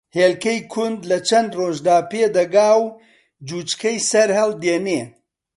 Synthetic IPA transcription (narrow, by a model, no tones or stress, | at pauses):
heːlkɐjkʰʊnd̪lɐt͡ʃʰɐnd̪roːʒd̪aːpeːd̪ɐɡaːw | d͡ʒuːt͡ʃkʰɐjsɐɾhɐlˠd̪eːneː